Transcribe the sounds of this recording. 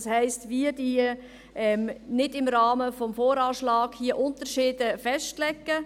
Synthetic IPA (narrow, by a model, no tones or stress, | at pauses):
shɛɪstviːədiː | ʔɛmnɪdɪmɾɑːməfɔmfoːɾɑːʃlɑːɡhiːəʔʊntəɾʃiːdəfɛʃtlɛkːə